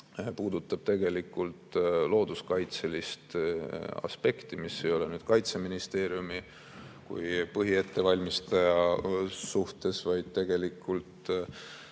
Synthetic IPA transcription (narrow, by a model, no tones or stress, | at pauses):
puːd̪̥ut̪ːˑɑb̥̚t̪e̞ɡ̥e̞likːˑult̪lo̞ːd̪̥uskɑjt̪se̞list̪ | ɑ̰spe̞kt̪imise̞jo̞lenyːd̪̥kɑjt̪se̞minist̪e̞ːɾjumi | kṵjpɤɦie̞t̪ːe̞vɑlʲmist̪ɑjɑsuht̪e̞svɑjd̪̥̚t̪e̞ɡ̥e̞likːˑult̪